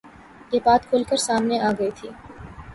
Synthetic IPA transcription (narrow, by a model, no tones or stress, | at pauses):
jeːbaːt̪kʰʊlkəɾsaːmneʔaːɡəit̪ʰiː